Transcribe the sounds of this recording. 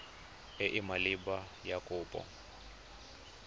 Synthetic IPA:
eʔimaliba | jakʼʊːpʼɔ̰

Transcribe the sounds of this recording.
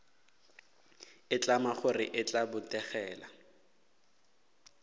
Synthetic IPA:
ɪt͡ɬʼamaχʊrɪ̰ʔɪt͡ɬʼabʊtʼɛχɛːla

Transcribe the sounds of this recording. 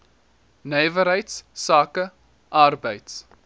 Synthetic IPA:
nɛjvəɾɦəjtssɑːkə | ʔɐrbəjts

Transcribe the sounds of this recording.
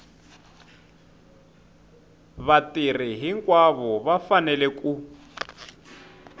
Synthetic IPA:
βatir̤iɦiŋkʼwaβɔβafanɛlɛkʼu

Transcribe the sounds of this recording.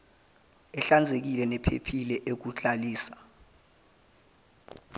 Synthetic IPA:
ɛɬand͡zʱek̬ilɛnɛpʰḛpʰilɛʔek̬ut͡ɬʼaliːsḁ

